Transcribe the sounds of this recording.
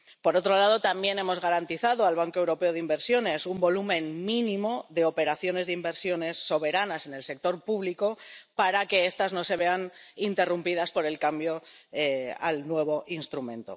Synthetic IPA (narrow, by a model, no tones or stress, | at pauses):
po̞ɾo̞t̪ɾo̞lað̞o̞t̪ambje̞ne̞mo̞zɣaɾant̪iθaðoalβ̞aŋkoe̞wɾo̞pe̞oð̞imbe̞ɾsjo̞ne̞sumbo̞lumẽ̞nmĩnĩmo̞ðe̞o̞pe̞ɾaθjo̞ne̞zðimbe̞ɾsjo̞ne̞sːo̞β̞e̞ɾanase̞ne̞lse̞k̚t̪o̞ɾpuβ̞liko̞paɾake̞est̪azno̞se̞β̞e̞anint̪e̞rumpiðaspo̞ɾe̞lkambjo̞ea̰lnwe̞β̞o̞ʔinst̪ɾumẽ̞nt̪o̞̰